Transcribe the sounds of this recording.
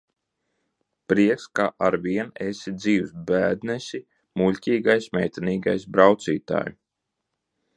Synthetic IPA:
pɾiɛkskaːʔaɾviɛnesid̪ziːwsbæːd̪nɛsʲi | mulʲcʲiːɡajsmʲɛjt̪ɛniːɡa̰jsbɾawt̪siːt̪a̰ːju

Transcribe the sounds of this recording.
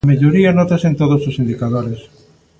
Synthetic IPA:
meʎoɾianɔt̪asent̪oð̞ososind̪ikaðoɾes

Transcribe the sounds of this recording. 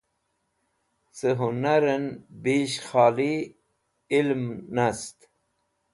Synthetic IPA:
səɦunaɾənbiɕxaːli | ilmnast̪

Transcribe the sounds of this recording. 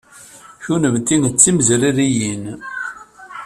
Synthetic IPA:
çunəmt̪ːinət͡sːimzliɾijin

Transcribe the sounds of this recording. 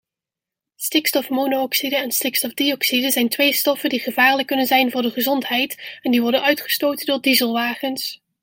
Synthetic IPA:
stɪkstɔfmoːnoɔksidəɛnstɪkstɔvdiɔksidəzɛjntʋejstɔfədiχəvaːɹləkːɵnənzɛjnvʊːɹdəχəzɔntɦɛjtɛndiʋɔɹdənœɥtχə̥stowtəndʊːɹdizəlˠʋaːχəns

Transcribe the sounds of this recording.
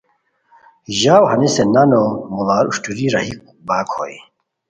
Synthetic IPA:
ʑaːwhɐnisenɐnomulaːɾuɕʈuɾiɾɐɦik̚ubaːkho̰ːj

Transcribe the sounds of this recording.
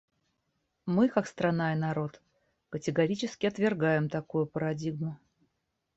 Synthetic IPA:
mɨkakst̪ɾɐnajnɐɾo̞t̪ | kətʲɪɡɐɾʲit͡ɕɪskʲɪɐt̪vʲɪrɡajɪmt̪ɐkujʊpəɾɐdʲiɡmʊ

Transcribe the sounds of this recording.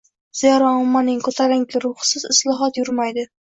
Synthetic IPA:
z̥ijaɾɒʊmːanɪŋkʰɵt̪ʰalɪŋkʲʰɪɾʊhsɪzɪslˠɒɦɒt̪jʊɾmajd̪ɪ

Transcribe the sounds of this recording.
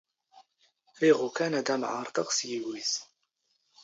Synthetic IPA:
ɾiʁukænæd̪æmʕɑ̰ɾˤt̪ɑqsjiwiθ

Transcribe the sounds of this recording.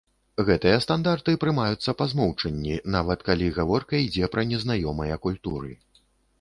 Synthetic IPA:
ɣɛt̪ɨjɐst̪and̪art̪ɨpɾɨmajut̪sːɐpazmɔwt͡ʂɐnʲːinavɐt̪kalʲiɣavɔrkɐid͡zʲɛpɾɐnʲɛznajɔmɐjɐkulʲt̪uɾɨ

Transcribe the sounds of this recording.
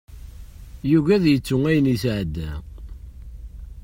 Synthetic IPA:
juʝæðjət͡sːʊŋæjənisʕəd̪ːæ

